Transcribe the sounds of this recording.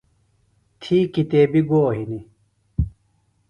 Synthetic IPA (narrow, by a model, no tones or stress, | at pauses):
t̪ʰiːkit̪eːbiɡoːɦini